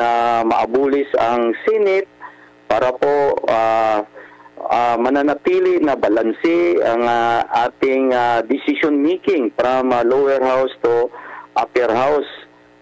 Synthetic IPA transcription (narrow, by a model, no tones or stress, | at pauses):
amɐʔɐbuːlɪsɐŋsɛnɪt̪̚ | paːɾɐpoa | amɐnanɐt̪iːlɪnɐbɐlansɪaŋaʔaːt̪ɪŋad̪ɪsɪsjonmiːkɪŋpɾamalowɛɹhawst̪oʔapɛɹhaws